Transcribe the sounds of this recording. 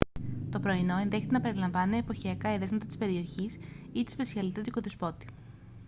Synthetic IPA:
t̪o̞pɾo̞inoe̞nðeçe̞t̪enɐpe̞ɾilɐɱvɐneːpo̞çiɐkɐeðe̞zmɐt̪ɐt̪i̥spe̞ɾio̞çis | it̪i̥spesiɐlit̪et̪iɡoðespo̞t̪i̥

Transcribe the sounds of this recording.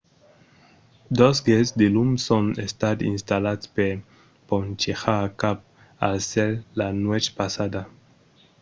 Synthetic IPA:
d̪osɡesd̪elumsonest̪ad̪ḭnst̪alat̪speɾ | pont͡ʃexakap̚ | a̰lseɾlanwet͡ʃpasad̪a

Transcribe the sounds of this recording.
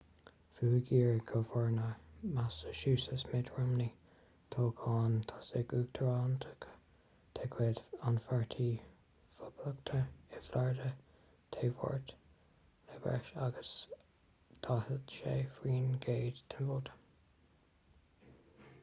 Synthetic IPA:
fuːɡiːɹɡʰəfɔɹnamasə̥ʃuːsəsmɪdɹɔmni | t̪ʰoːɡʰɑːnt̪ʰḁsɪɡuːɡ̚t̪ʰəɹɑːnt̪ʰə̥kʰ | t̪ʰekʰweːd̪anfaɹt̪ʰi | fəbləkt̪ʰəɪflaɹdə | t̪ʰeːvɔ̰ɹt̪ | lɛbɛ̰ɹʃaɡəs | t̪ʰɑːhəd̪ʃeːfɹiːnɡeːd̪t̪ʰənoːd̪ə̥

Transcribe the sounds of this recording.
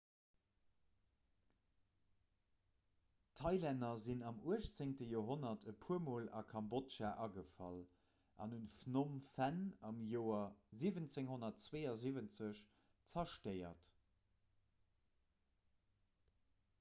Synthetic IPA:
tʰɑɪlænɐzinɑmuəɕt͡seŋtəjoːɦonɐtʰəpʰuəmoːlɑ̰kʰɑmbotʃaʔɑɡəfɑ̰l | ʔɑ̰nhunfnomfænɑmjoːɐziːvənt͡seŋɦonɐtt͡sweːɐzivənt͡səɕ | t͡sɐʃtɜɪɐ̰t

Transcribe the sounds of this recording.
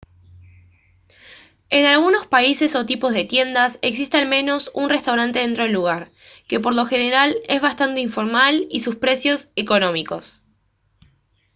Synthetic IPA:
enalɣuno̞spaise̞so̞t̪ipo̞zð̞e̞t̪je̞nd̪ase̞ks̬ist̪ealmẽ̞no̞sunre̞st̪awɾant̪e̞ðent̪ɾo̞elːuɣ̞aɾ | ke̞p̬o̞ɾlo̞xe̞ne̞ɾale̞zβast̪ant̪e̞iɱfo̞ɾmalisuspɾe̞sjo̞seko̞nõ̞miko̞s

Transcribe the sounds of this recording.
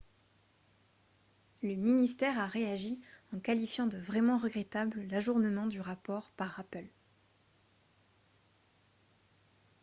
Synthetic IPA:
ləminist̪ɛʁaʁeaʒiɑ̃kalifjɑ̃d̪əvʁɛmɑ̃ʁəɡʁɛt̪abləlaʒuʁnəmɑ̃d̪yʁapɔʁpaʁapœl

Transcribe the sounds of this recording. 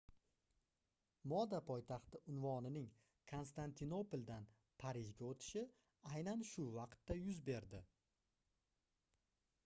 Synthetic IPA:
mɒd̪apʰɒjt̪ʰaχt̪ɪʊnvɒnɪnɪŋ | kʰo̞nst̪ant̪ʰɪno̞polˠd̪an | pʰaɾɪʒɡʲaot̪ʰɪ̥ʃɪ | ajnanʃʊvɑqt̪ːajʊzbe̞ɾd̪ɪ

